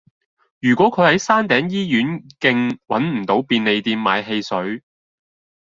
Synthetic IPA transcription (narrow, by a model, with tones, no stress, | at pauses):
jyː˨˩kʷɔː˨˥kʰɵ˨˧ɥhɐ˨˥jsaː˥nt̪ɛː˨˥ŋjiː˥jyː˨˥nkɪ˧ŋwɐ˨˥nm̩˨˩t̪o˨˥wpiː˧nle˨jt̪iː˧mma̰ː˨˧jɦe˧jsɵ˨˥ɥ